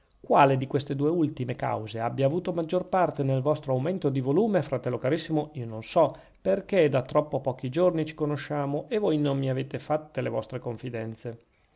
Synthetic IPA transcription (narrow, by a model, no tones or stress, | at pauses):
kwaːled̪ikwest̪ed̪uːeult̪imeka̰wzeabːjaːvuːt̪omad͡ʒːorpart̪enelvɔst̪ɾoawment̪od̪ivoluːmefɾat̪ɛlːokaɾisːimoiːononsɔ | perked̪at̪ɾɔpːopɔːk̟id͡ʒornit͡ʃi̥konoʃaːmoʔevojnommiaveːt̪efat̪ːelevɔ̰st̪ɾekoɱfid̪ɛnt̪se